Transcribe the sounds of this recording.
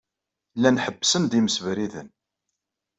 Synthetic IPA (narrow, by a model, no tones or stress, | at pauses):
lːænħəbːsənd̪iməsvɾiðə̰n